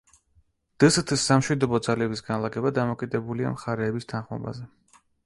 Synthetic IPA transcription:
d̪̥ɨst̪ʰisːamʃwid̪ɔbɔd̪zalɛbisɡanlˠaɡɛbad̪amɔkʼid̪ɛbulia̰mχaɾɛːbist̪ʰanχmɔ̰ba̰zɛ

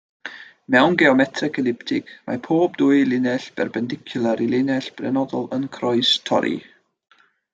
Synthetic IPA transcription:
mɛwnɡɛɔmɛtʰrɛkʰɛlˠɪptʰɪkma̰pʰoːbduːɨlˠɪnɛɬb̥ɛ̰rbɛndɪkʰjʊlˠaɾilɪnɛɬb̥rɛnɔdɔlˠənkʰrɔɨstʰɔ̰ɾʔḭ

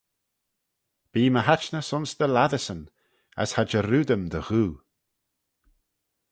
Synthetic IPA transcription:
b̥iːməɦat͡ʃnəsʊnsd̪əlaðəsən | a̰shad͡ʒəɾuːd̪əmd̪əɣuː

